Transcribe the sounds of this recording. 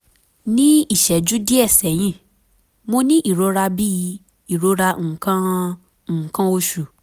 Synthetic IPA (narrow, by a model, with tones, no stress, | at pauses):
nĩ˦i˦˨ʃɛ˨d͡ʒu˨˦di˦ɛ˦˨sɛ˨j̃ĩ˦˨ | mo˦nĩ˦ʔi˦˨ɾo˨˧ɾa˧bi˦i˨˧˦ | i˨ɾo˧˦ɾa˧˦ŋ̩˨kã˧˨ | kã˧o˧ʃu˨